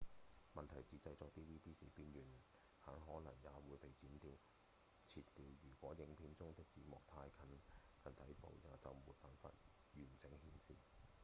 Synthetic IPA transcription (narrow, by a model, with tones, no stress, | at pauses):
mɐ˨nt̪ʰɐ˨˩jsiː˨t͡sɐ˧jt͡sɔː˧k̚t̪iː˥wiː˥t̪iː˥siː˨piː˧njyː˨˩n | haː˨˥ŋɦɔː˨˥nɐ˨˩ŋjaː˨˧wuː˨˧jpe˨˩jt͡siː˨˥nt̪iː˧w | t͡sʰiː˧tt̪ːiː˧wjyː˨˩kʷɔː˨˥jɪ˨˧ŋpʰiː˧nt͡sʊ˥ŋt̪ɪ˥k̚t͡siː˨˥mɔː˨k̚t̪ʰaː˧jkʰɐ˨˧nkʰɐ˨nt̪ʰɐ˨˥jpo̰˨˧wjaː˨t͡sɐ˨wmuː˨t̚paː˨˩nfa̰ː˧t̚ | jyː˨˩nt͡sɪ˨˥ŋhiː˨˥nsḭː˨